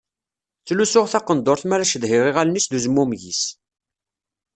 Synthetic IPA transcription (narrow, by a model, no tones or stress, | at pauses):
t͡sːlusʊʁθɑqənd̪oɾθmæɾæʃəðhɪʁiʁælnisd̪uzmumʝis